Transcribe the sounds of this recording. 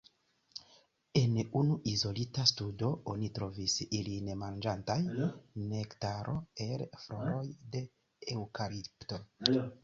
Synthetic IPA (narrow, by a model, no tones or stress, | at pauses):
e̞nunuʔizo̞litastudo̞onitɾo̞visilinmand͡ʒantajne̞ktaɾʔo̞̰e̞lfɾoɾo̞jde̞ | ewkaɾipto̞